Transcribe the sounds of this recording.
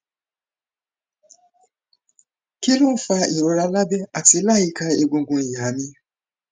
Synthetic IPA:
ki˦lʊ˦fa˦i˨ɾo˨ɾa˨˦la˦be˦a˨tɪ˨˦la˦ji˦ka˦e˦ɡʷũ˨˦ɡʷõ˨ja˨mi˦

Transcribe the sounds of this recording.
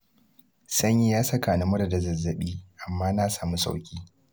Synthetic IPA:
sɐ˦ɲji˦jaː˦sɐ˦kaː˨ni˦mʊ˦ɽa˨da˨zɐ˨zːɐ˨ɓiː˦ʔa˨mːaː˦naː˦saː˨mu˦sa̰˨wkʲiː˦

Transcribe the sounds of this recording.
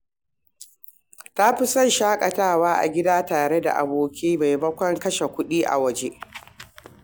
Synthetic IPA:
ta˦ɸɪ˦sɐ˦˨nʃaː˦kʼɐ˨taː˦˨waː˦ʔa̰˨ɡʲɪ˦daː˦taː˨ɾe˦da̰˨ʔa˨boː˦kʲʰiː˦ma˨jbɐ˦kʷɐ˦ŋkɐ˦ʃe˨kʷʊ˦ɗiː˦ʔa̰˨wɐ˦d͡ʒe˦ʔ

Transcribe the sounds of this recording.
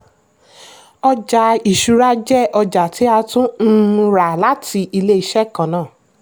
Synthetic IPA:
ɔ˧d͡ʒa˨i˨ʃu˧ɾa˦d͡ʒɛ˦˨ʔɔ˧d͡ʒa˨ti˨˦a˧tũ˦n̩˦˧˦ɾa˨la˨˦tʰi˧i˧le˦i˧ʃɛ˦˨kã˨nãː˦˨

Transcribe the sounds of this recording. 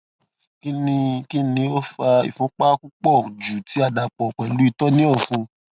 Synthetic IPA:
ki˦nĩ˧ki˦nĩ˧o˦fa˧ḭ˨fũ˨˦k͡pa˦ku˦k͡pɔ˦˨d͡ʒu˨ti˨˦a˦˧da˧k͡pɔ˨k͡pɛ˨lu˨˦i˧tɔ˦nĩ˦ɔ˦˨fũ˧

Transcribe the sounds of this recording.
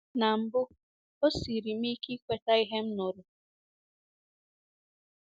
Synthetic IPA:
na˨m̩˨bʊ˦ | o˦si˨ɾi˨m̩˦i˦ki˦kʷe˨ta˦i˦ɦe˦m̩˦nʊ˨ɾʊ˨

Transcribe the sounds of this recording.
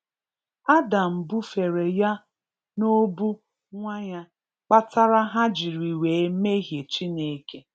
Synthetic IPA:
a˦da˨m̩˨bʊ˦fe˨ɾe˨ja˦ | no˦bu˦ | ŋʷa˦ɲa˦ | k͡pa˦ta˦ɾa˦ɦa˦d͡ʒi˨ɾi˨weː˨˦me˦ɦje˨t͡ʃi˦ne˨˦ke˦

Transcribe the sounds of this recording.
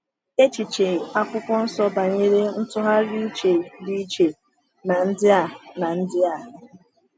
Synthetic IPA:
e˦t͡ʃi˨t͡ʃe˨a˦kʷʊ˦kɔ˦n̩˦sɔ˦ba˨ɲe˦ɾe˦n̩˦tʊ˦ɦa˦ɾi˦t͡ʃe˨di˦t͡ʃe˨ | na˨n̩˦dɪ˦a˨na˨n̩˦dɪ˦a˦˨ɦɪ˦

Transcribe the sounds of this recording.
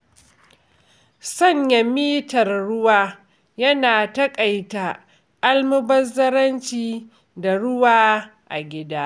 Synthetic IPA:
sɐ˦˨ɲjɐ˨miː˦tɐ˨rɽʊ˦waː˦ | jɐ˦naː˨tɐ˦kʼɐ˨jta˨ | ʔa˦lmʊ˦bɐ˦zɐ˦ɾɐ˦nt͡ʃiː˦ | da˨ɽʊ˦waː˦ʔa̰˨ɡʲɪ˦daː˦

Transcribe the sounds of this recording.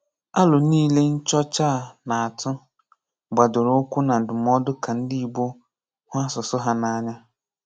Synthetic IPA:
a˦lʊ˨˦niː˦le˦n̩˦t͡ʃɔ˦t͡ʃaː˦˨na˨a˨tʰʊ˦ | ɡ͡ba˨dʊ˨ɾʊ˦kʷʊ˦na˨dʊ˨m˦ɔ˦dʊ˦kʰa˨n̩˦di˦i˦bo˦ | hʊ˦a˦sʊ˨sʊ˦ɦa˦na˨ɲa˦

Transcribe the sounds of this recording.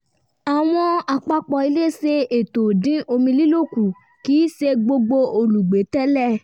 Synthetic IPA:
a˨w̃ɔ̃˧a˨k͡pa˧k͡pɔ˨i˧˦le˦˨se˧e˨to˨dĩ˨˦ʔo˧mĩ˧li˦lo˦˨ku˨ | ki˨˦ʃe˧ɡ͡bo˧ɡ͡bo˧o˧lu˨ɡ͡be˨˦tɛ˦lɛ˦˨

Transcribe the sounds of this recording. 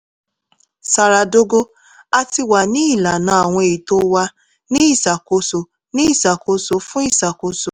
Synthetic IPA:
sa˨ɾa˨do˦ɡo˦ | a˧ti˧wa˨nĩ˦i˦˨la˨nã˨˧˦a˨w̃ɔ̃˧e˨i˨to˦wa˧ | nĩ˦i˦˨sa˨ko˨˧so˨ | nĩ˦i˦˨sa˨ko˧so˧fũ˦i˦˨sa˨ko˨˧so˨

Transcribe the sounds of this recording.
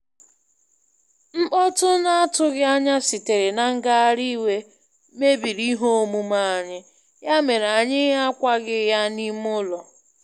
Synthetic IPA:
m̩˦k͡pɔ˦tʊ˦na˦a˦tʊ˦ɣɪ˦a˦ɲa˦si˨te˨ɾe˨na˨ŋ̩˦ɡa˦ɾi˦we˦ | me˦bi˨ɾi˦ɦo˦o˦mu˦ma˦a˨ɲɪ˦ | ja˦me˨ɾa˨ɲɪ˦ɦa˦kʷa˦ɡɪ˦ja˦ni˦m˦ʊ˦lɔ˨

